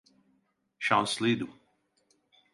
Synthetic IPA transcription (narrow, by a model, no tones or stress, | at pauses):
ʃãʊslid̪u